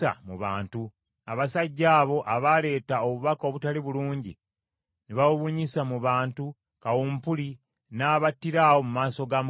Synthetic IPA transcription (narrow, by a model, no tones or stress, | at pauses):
a̰muβa̰ːntu | aβasaɟːaːβo̞ʔaβale̞ːtaoβuβako̞βutaliβuluːɲɟḭ | niβaβuβuɲisamuβaːntu | kawumpuli | naːβatːiɾaːwo̞mumaːso̞ɡam